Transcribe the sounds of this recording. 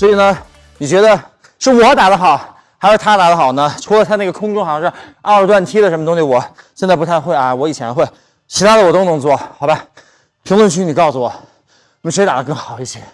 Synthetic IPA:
swɔ˧˥i˨˩nə˦ | ni˨˩t͡ɕɥɛ˧˥d̪ə˧ | ʂɻ̩˥˩wɔ˨˧˥t̪a˨˩d̪ə˦xɑ˨˩ʊ | xa˧˥ʂɻ̩˧˥t̪ʰa˥t̪a˨˩d̪ə˧xɑ˨˩ʊnə˦ʈ͡ʂʰu˧˥lə˧t͡sʰa˥n˥˩ɡə˩kʰʊ˥ŋʈ͡ʂxɑ˨˩ɑ˥˧ʂɻ̩˥˩ɑ˥˧ɻt̪wa˥˩nt̪ʰi˥ɾə˨ʂə˧˥m˧ʊ˥ŋ˥ɕi˩wɔ˨˩˦ | ɕjnt͡sa˥ɪpu˧˥t̪ʰa˥˧ɪxwe˥˩ɪa˧wɔ˧˥i˨˩t͡ɕʰjɛ˧˥n˧we˥˩ɪ | t͡ɕʰi˧˥t̪ʰa˥d̪ə˨wɔ˨˩t̪o˥ʊnɤ˧˥ŋt͡swɔ˥˩xɑ˨˧˥ʊba˧ | pʰi˧˥ŋlwə˥˧nt͡ɕʰy˥˩ni˨˩kɑ˥˩ʊsu˩wɔ̰˨˩˦ | ʂe˧˥ɪt̪a˨˩d̪ə˦kɤ˥˩ŋxɑ˨˩˦ʊi˥˩ɕjɛ˥˩

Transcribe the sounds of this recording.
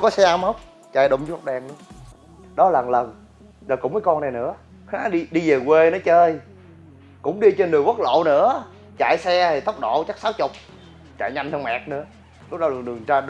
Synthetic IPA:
kɔ˨˦sɛ˧ʔaː˧mə˦˥wk͡p̚ | t͡ɕaː˧˩jɗo˨˧˩wŋ͡mzu˦˥t̚ɗɛː˧ŋnɨ̰˧˦ | ɗɔ˨˦la˨˩nlə˨˩n | za˨˩kʊ̰˧˥ŋ͡məː˨˦jkɔ˧na˨˩jnɨ̰˧˥ə | xaː˨˦ɗi˧ɗi˧ve˨˩kwe˧nɔ˨˦t͡ɕəː˧j | kʊ̰˧˥ŋ͡mɗi˧t͡ɕe˧nːɨ˨˩əwə˦˥t̚lo̰˧˨nɨ̰˧˥ə | t͡ɕa̰˧˨jsɛ˧t̪ʰi˨˩t̪ə˦˥wk͡p̚ɗo̰˧˨t͡ɕa˦˥k̚saː˨˦wt͡ɕʊ˨˩k͡p̚ | t͡ɕa̰ː˧˨jɲa˧nt̪ə˧mɛ̰˨˩k̚nɨ̰˧˥ə | lʊ˦˥k͡p̚ɗɔ˨˦˨ɗɨ˨˩əŋt͡ɕaː˧

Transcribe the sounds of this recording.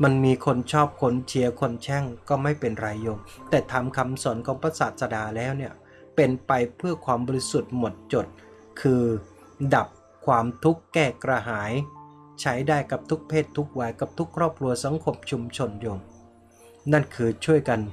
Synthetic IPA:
ma˧nmiː˧kʰo˧nt͡ɕʰɔː˥˩p̚kʰo˧˥nt͡ɕʰi˧ɐkʰo˧nt͡ɕʰɛ˥˩ŋkɔː˥˩ma˥˩jpe˧nɾa˧jːo˧ŋt̪ɛː˨˩t̪ʰaː˧mkʰa˧msɔː˨˩˦nkʰɔː˩˦ŋpʰa˧saː˨˩t̪̚sa˧daː˧lɛː˦˥wni˥˩ɐ | pe˧npa˧jpʰɯ˥˩ɐkʰwaː˧mbɔː˧ɾi˦˥su˨˩t̪̚mo˨˩t̪̚t͡ɕo˨˩t̪̚ | kʰɯː˧ | da˨˩p̚ | kʰwaː˧mt̪ʰu˦˥kːɛː˥˩kɾa˧ɦaː˩˦j | t͡ɕʰa˦˥jdaː˥˩jka˨˩p̚t̪ʰu˦˥k̚pʰeː˥˩t̪ʰːu˦˥k̚wa˧˩jka˨˩p̚t̪ʰu˦˥kʰːɾɔː˥˩p̚kʰɾu˧ɐsa˩˦ŋkʰo˧mt͡ɕʰu˧mt͡ɕʰo˧njoː˧ŋ | na˥˩nkʰɯː˧t͡ɕʰu˥˩əjka˧n

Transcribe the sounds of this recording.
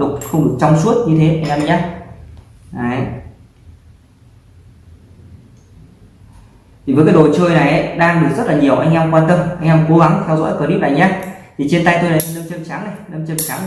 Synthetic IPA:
ə˨˩k͡p̚xə˧wŋ͡mɗɨ˨˩ək̚t͡ɕɔ˧wŋ͡msu˦˥ət̚ɲɨ˧t̪ʰe˨˦ʔa˧jŋ̟ʔɛ˧mʔjɲaː˧ | ʔaː˨˩j | t̪ʰi˨˩əː˨˦kːɗo˨˩t͡ɕəː˧jna˨˩jʔə˨˦ɗaː˧ŋɗɨ˨˩zə˦˥t̚laː˨˩ɲi˨˩əwʔa˧jŋ̟ʔɛ˧mkwaː˧t̪ə˧mʔa˧jŋ̟ʔɛ˧mko˨˦ɣa˨˦ŋt̪ʰɛ˧wzɔ̰˧˥jkəː˧˦ni˦˥p̚ʔa̰˨˧˩jɲaː˧t̪ʰi˨˩t͡ɕe˧nt̪a˧jt̪o˧jna˨˩˧nə˧mt͡ɕə˧msaː˨˦ŋna˨˩jnə˧mt͡ɕə˧msaː˨˦ŋ˨

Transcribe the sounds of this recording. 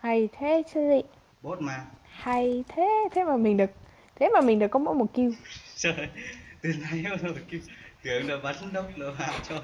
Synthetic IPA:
ha˧˩jt̪ʰe˨˦t͡ɕi˧zḭ˧˨ | ɓo˦˥t̚maː˨˩ha˧˩jt̪ʰe˨˦t̪ʰe˨˦maː˨˩mï˨˩ŋ̟ɗɨ˨˩ək̚ | t̪ʰe˨˦maː˨˩mï˨˩ŋ̟ɗɨ˨əkɔ˨˦mo̰˧˥mo˨˩t̚ki˧wt͡ɕəː˧t̪i˨˩əŋa˧jə˧˦˧ki˧wt̪ɨ˨˩ə˧˦ŋɗəː˨˩ɓaː˨˦nə˧˦nɗə˧wŋ͡mlə̰ː˧˩ɦa̰ː˧˨wt͡ɕɔ˧

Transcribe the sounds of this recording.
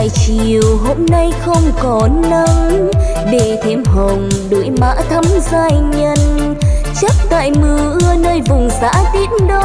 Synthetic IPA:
jt͡ɕi˨əwɦo˧mːa˧jxə˧wŋ͡mkɔ˨˩lə˧n | ɗe˧˩t̪ʰi˨˦mɦə˨˩wŋ͡mɗṵ˧˩˦əjma̰ː˧˥t̪ʰə˧mzaː˧jɲə˧nt͡ɕə˦˥t̚t̪a̰ː˧˨jmɨ˧˩əʔɨ˧ənəː˧jvʊ˨˩ŋ͡msa̰ː˧˥t̪i˧˥ənɗo˧

